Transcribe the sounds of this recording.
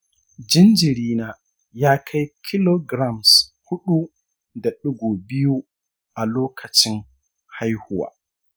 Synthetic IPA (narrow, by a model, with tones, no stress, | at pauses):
d͡ʒi˦nd͡ʒiɾiːna˨ | jaː˦kʰa˦jkʰi˦lo˦ɡɾamshu˦ɗu˦ | dɛ˨ɗuɡɔ˨bi˦ju˦ | ʔa˨loː˦kʰɐt͡ʃi˦n | ha˦jhuwa̰˨